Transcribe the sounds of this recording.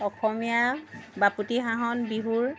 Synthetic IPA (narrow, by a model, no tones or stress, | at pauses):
ɔxɔmijabaputiɦaɦɔnbiɦuɹ